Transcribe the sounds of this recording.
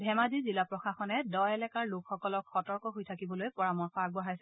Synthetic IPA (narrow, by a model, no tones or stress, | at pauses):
bʱɛmazizilapɹɔxaxɔnɛdɔjɛlɛkaɹlokxɔkɔlɔkxɔtɔɹkɔɦojtʰakibɔlojpɔɹamɔɹxɔaɡbɔɦajsɛ